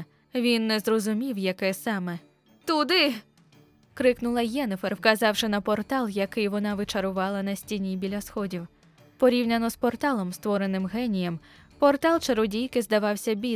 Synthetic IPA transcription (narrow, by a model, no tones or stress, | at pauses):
ʋʲinːɛzrɔzʊmʲiwjɐkɛsɑmɛ | t̪ud̪ɪ | kɾɪknʊlˠɐjɛnɪferwkɐzɑwʃɪnɐpɔrt̪ɑlˠjɐkɪjʋɔnɑʋɪt͡ʃɐɾʊʋɑlˠɐn̪ɐsʲtʲinʲibʲilʲɐsxɔdʲiw | pɔɾʲiwnʲɐnɔspɔrt̪ɑlˠɔmst̪ʋɔɾenɪmɦɛnʲijɛm | pɔrt̪ɑlˠt͡ʃɐɾʊdʲijkɪzd̪ɐʋɑwsʲɐbʲi